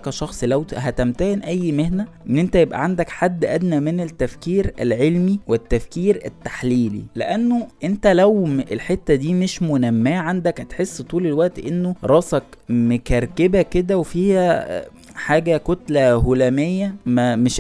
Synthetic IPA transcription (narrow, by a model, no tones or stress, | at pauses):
kæʃɑxsˤlæwɦæt̪æmt̪æhenʔæjːmehnæʔenːʔent̪æjebʔæ̰ʕand̪ækħad̪ːʔæd̪næmenet̪ːæfkiːɾæ̰lʕelmiwet̪ːæfkiːɾæ̰t̪ːaħliːlḭleʔænːoʔent̪ælæwelħet̪ːæd̪iːmeʃmonæmːæːʕand̪ækhæt̪ħesːt̪ˤuːlelwæʔt̪ʔenːoɾˤɑsɑkmekæɾˤkebæked̪æwefiːhæ | ħaːɡækot̪læholæmejːæmæmeʃ